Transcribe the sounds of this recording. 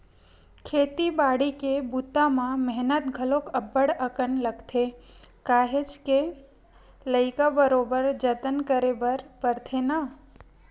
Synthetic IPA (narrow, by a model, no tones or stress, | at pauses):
kʰet̪ibaɽikebut̪ːamãmɛɦnət̪ɡʱəlokəbəɽəkənləɡt̪ʰekaɦet͡ʃke | ləɪkabəɾobəɾd͡ʒət̪ənkəɾebəɾpəɾt̪ʰena